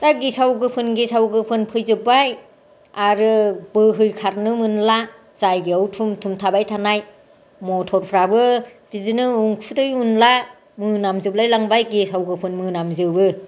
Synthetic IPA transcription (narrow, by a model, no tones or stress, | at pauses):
taɡisawɡɯpʰɯnɡesawɡɯpʰɯnpʰɯjzɯbaj | aɾɯbɯɦɯjkʰaɾnɯmɯnla | z̥ajɡiɔwtʰumtʰumtʰabajtʰanaj | mɔtʰɔɾpʰɾabɯbizɯnɯuŋkʰutɯjunla | mɯnamzɯblajlaŋbajɡesawɡɯpʰɯnmɯnamzɯbɯ